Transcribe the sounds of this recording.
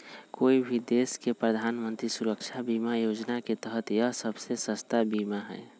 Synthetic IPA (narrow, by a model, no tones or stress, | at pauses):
koibʱid̪eskepɾəd̪ʱanmənt̪ɾisuɾəkt͡ʃʰabimajod͡ʒnaket̪əɦət̪jəsəbsesəst̪abimaɦɛ̰e